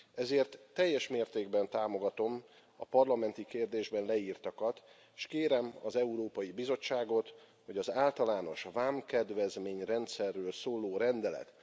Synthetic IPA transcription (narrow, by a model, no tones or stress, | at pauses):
ɛzeːrt̪ːɛjːɛʃmeːrt̪eːɡbɛnt̪aːmo̞ɡɒt̪o̞m | ɒ̰pɒrlɒmɛnt̪ikeːrd̪eːʒbɛnlɛiːrt̪ɒkɒt̪ | ʃkeːɾɛmɒ̰zɛuɾoːpɒjibizo̞t͡ʃːaːɡo̞t̪ | ho̞ɟɒzaːlt̪ɒlaːno̞ʃvaːmkɛd̪vɛzmeːɲrɛnt̪sɛrːøːlsoːloːɾɛnd̪ɛlɛ̰t̪